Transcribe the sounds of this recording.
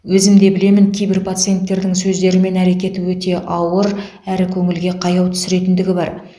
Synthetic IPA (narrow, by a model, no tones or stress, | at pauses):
wɵzɪmd̪e̞bɪle̞mɪŋkʲʰejbɪɾpʰat̪sɨije̞nt̪ːe̞ɾd̪ɪŋsɵzd̪e̞ɾɪme̞næɾe̞kʲe̞t̪ɪwɵt̪e̞ʔɑwəɾ | æɾɪkʲʰɵŋɪlɡʲe̞qʰɑjɑwt̪ʰʏ̥sɪɾe̞t̪ɪnd̪ɪɡʲɪbɑɾ